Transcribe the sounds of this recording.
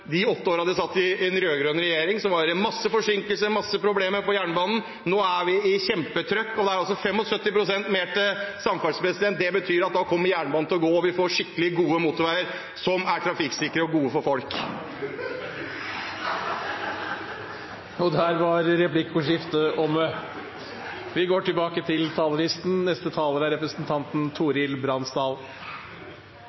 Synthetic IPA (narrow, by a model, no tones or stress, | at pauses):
d̪ɪɔt̪ːəoːɾɑd̪ɪsɑt̪ːɪɛnɾøːɡɾøːnɾɛjeːɾɪŋsɔmʋɑɾmɑsːəfɔʂɪŋkəlsəɾmɑsːəpʰɾʊbleːməɾpɔjæːɳəbɑːnn̩ | noːæʋɪɪçɛmpət̪ʰɾœkːɔd̪ɛæɾɑls̬ɔfɛmːɔsœt̪ːɪpɾʊsɛnt̪meːʈɪsɑmfæspɾɛsɪd̪ɛnt̪̚d̪ɛbət̪ʰyːɾɑt̪̚d̪ɑkʰɔmːəɾjæːɳbɑːnn̩ʰɪlɔɡoːɔʋɪfoːʂɪkːəlɪɡuːəmuːt̪ɔʋæɾəɾ | sɔmæʈʰɾɑfɪksɪkəɾəɔɡuːəfɔɾfɔlk | ɔd̪hæːɾʋɑɾɾɛplɪkːʊʂɪft̪əʔɔmə | ʋɪɡoːʈɪlbɑːkət̪ʰɪlt̪ʰɑːləlɪst̪n̩nɛst̪ət̪ʰɑːləɾæɾɛpɾəsənt̪ʰɑnt̪nt̪ʰuːɾɪlbɾɑnsd̪ɑːl